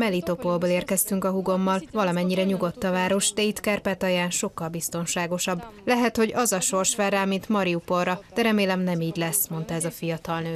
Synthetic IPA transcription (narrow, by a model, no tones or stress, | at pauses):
mɛlit̪o̞polboleːrkɛst̪yŋkɒɦuɡo̞mːɒlvɒlɒmɛɲːiɾɛɲuɡo̞t̪ːɒvaːɾo̞ʃd̪ɛit̪kɛrpɛt̪ɒjaːnʃo̞kːɒlbist̪o̞nʃaːɡo̞ʃɒbːlɛɦɛt̪ho̞ɟɒzɒʃo̞rʃʋɛraːmint̪mɒɾiupo̞rːɒd̪̥ɛɾɛmeːlɛmnɛmiːɟlɛsmo̞n̪t̪ɒɛzɒfijɒt̪ɒlnøː